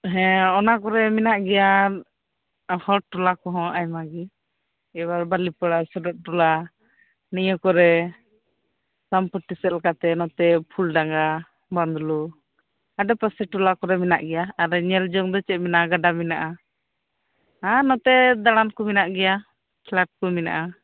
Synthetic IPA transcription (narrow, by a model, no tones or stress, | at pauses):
ɦɛ̃ɔnakɔɾɛminaʔɡɛja | hɔʈulakɔɦɔ̃ajmaɡi | ɛbaɾbalipəɽasɔɖɔʔ̚ʈula | nijɔkɔɾɛ | sampɔʈisɛt̪lkat̪ɛnɔt̪ɛpʰulɖaŋɡa | band̪lu | aɖɛpəsɛʈulakɔɾɛmina̰ʔɡɛjaːɾɛɲɛld͡ʒɔŋd̪ɔt͡ʃɛt̪̚mɛnaɡaɖaminaʔa | anɔt̪ɛd̪aɽ̃ankɔminaʔɡɛja | kʰlaʈ̚kɔmina̰ʔa